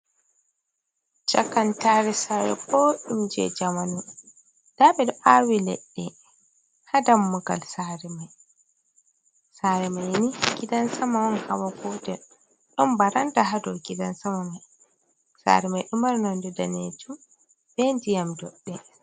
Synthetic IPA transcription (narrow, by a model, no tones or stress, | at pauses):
t͡ʃakantaɾɛsaːɾɛ̰kɔɗumd͡ʒɛ̰d͡ʒamanu | d̥aɓɛdɔʔawilḛɗːɛ | hadamːuɡa̰lsaɾɛmaj | saɾɛmajnikidansamawanhawaɡɔtɛ | ɗɔmbaɾantaɦadɔkidansamamaj | sa̰ːɾɛmajɗumaɾnɔndɛdaned͡ʒu | bend͡ʒijamdɔɗːɛ